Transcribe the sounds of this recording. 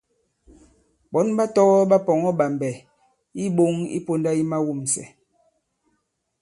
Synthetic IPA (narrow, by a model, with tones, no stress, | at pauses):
ɓɔ˨˦nɓa˦tɔ˦ɣɔ˦ɓa˦pɔ˨ŋɔ˦ɓa˨mbɛ˨ | i˦ɓo˦ŋḭ˦po˦nda˦i˦ma˦wu˦˨msɛ̰˨